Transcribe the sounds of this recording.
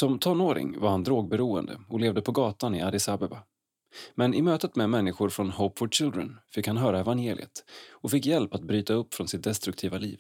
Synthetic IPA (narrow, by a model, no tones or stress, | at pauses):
sɔmt̪ʰɔnːoːɾɪ̰ŋvaɾhand̪ɾoːɡ̚bɛɾuːə̰nd̪ə̰ɔleːvd̪əpʰɔɡɑːt̪anɪad̪ɪsabəba | mɛnɪmøːt̪ət̪mɛmɛnːɪɧʊɾfɾɔnhoːpːfɔt͡ʃɪld̪ɾə̰nfɪkhanɦœːɾaɛvanjeːlɪ̰ə̰t̪ɔfɪkːjɛlpat̪̚bɾyːt̪aɵpːfɾɔnsɪt̪̚d̪ɛst̪ɾɵk̚t̪ʰiːvalḭːv